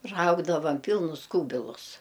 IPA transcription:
ˈrɐʊɡdɐʋɐm ˈpʲiːlˠnʊs ˈkuːbʲɪlˠʊs

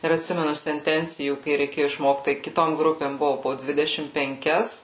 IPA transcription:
ɪr ɐtʲˈsʲɪmʲɛnʊ sʲɛnʲˈtʲɛnʲt͡sʲɪjuː kɐɪ rʲɛɪˈkʲeːjʊ ɪʃˈmoːkt tɐɪ kʲɪˈtoːm ˈɡrʊpʲeːm ˈbʊʋoː poː ˈdʲʋʲɪdʲɛʃʲɪm pʲɛŋʲˈkʲɛs

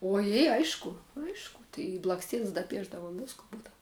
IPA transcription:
oːˈjeː ˈɐɪʃkʊ ˈɐɪʃkʊ tɐɪ ɪ blˠɐksʲˈtʲiɛns dɐˈpʲiɛʒdɐʋʊm ˈʋʲɪskʊ ˈbuːdɐw

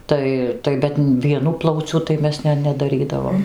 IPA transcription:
ˈtɐɪ tɐɪ ˈbʲɛt ʋʲiɛˈnʊ ˈplˠɐʊt͡sʲʊ tɐɪ ˈmʲɛs ˈnʲɛ nʲɛdɐˈrʲiːdɐʋoːm

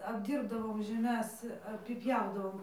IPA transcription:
ɐbʲˈdʲiːrbdɐʋoːm ʒʲɛˈmʲɛs ɐpʲɪˈpʲjɛʊdɐʋoːm

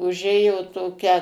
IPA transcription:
ʊˈʒʲeːjoː toːˈkʲɛ

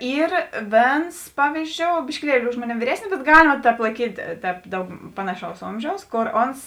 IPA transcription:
ˈiːr ˈʋʲeːns ˈpɑːʋʲiːzʲˌd͡ʒʲoːʊ bʲɪʃʲkʲɪˈlʲiɛlʲɪ ˈʊʃ moːˌnʲeːm ʋʲiːˈrʲæːsʲnʲɪs bʲɛt ˈɡɑːlʲɪmɐ ˈtʲɛːp lˠɐɪˈkʲiːtʲ ˈtʲɛːp ˈdɐʊk ˈpɑːnɐˌʃɐʊs ˈoːmʲʒʲɛʊs ˈkoːr ˈoːns

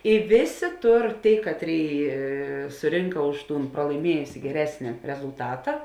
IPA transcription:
ɪ ˈʋʲeːˌsʲeː ˈtʊr ˈtʲeːɪ ˈkɑːtʲˌrʲeːɪ sʊˈrʲɪŋkɐ ˈʊʃ ˌtuːn prɐlˠɐɪˈmʲiɛjʊsʲɪ ɡʲɛˈrʲæːsʲnʲɪ rʲɛzʊlˠˈtɑːtɐ

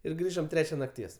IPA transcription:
ɪr ˈɡrʲiːʒoːm ˈtʲrʲæːt͡ʃʲɛ nɐkˈtʲiɛs

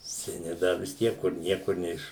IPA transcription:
sʲɛˈnʲɪ ˈdɐ ʋʲɪs ˈtʲiɛk kʊr ˈnʲiɛkʊr ˈnʲɛɪʃ

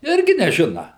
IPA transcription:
ˈɪrʲɡʲɪ nʲɛˈʒʲɪnɐ

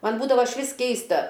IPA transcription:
ˈmɐn ˈbuːdɐʋoː ɪʃʲˈʋʲɪs ˈkʲɛɪstɐ

